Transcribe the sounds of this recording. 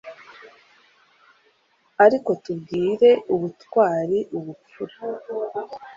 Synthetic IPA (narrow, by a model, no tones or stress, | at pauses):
aɾiko̞tubɡiːɾe̞uβutwaːɾiʔuβup͡fuɾa